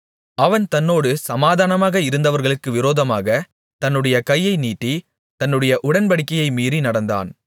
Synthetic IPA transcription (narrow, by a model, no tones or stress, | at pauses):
ɐʋɐnt̪ɐnːoːɽɯsɐmaːðaːnɐmaːɣɐɪɾɯnd̪ɐʋɐɾɣɐɭɯkːɯʋɪɾoːðɐmaːɣɐ | t̪ɐnːɯɽɐjɐkɐjːɐɪniːʈːi | t̪ɐnːɯɽɐjɐʔʊɽɐnbɐɽɪkːɐjɐɪmiːrinɐɽɐnd̪a̰ːn